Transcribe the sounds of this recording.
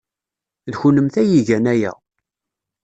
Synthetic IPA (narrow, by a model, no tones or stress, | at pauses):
ðçunəmθæjiʝænæjæ̰